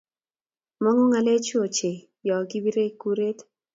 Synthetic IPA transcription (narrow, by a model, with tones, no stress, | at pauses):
mɔ˦ŋɔ˦ŋa˦le˦t͡ʃo˨t͡ʃe˨ | jɔ˨ɡi˦bi˦ɾe˦ku˦ɾe˦t